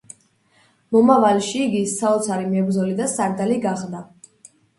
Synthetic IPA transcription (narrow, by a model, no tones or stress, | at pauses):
mɔmavalʃiːɡisaɔt̪sʰaɾimɛbɾd̪zɔlid̪asaɾd̪aliɡaχd̪a